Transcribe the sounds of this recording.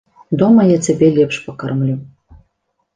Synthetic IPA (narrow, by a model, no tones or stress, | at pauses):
d̪ɔmɐjat͡sʲabʲɛlʲɛpʂpɐkarmlʲu